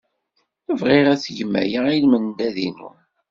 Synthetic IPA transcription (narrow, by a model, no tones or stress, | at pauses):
əvʁɪɾæθʝəmːæ̰jəilməndæðinṵ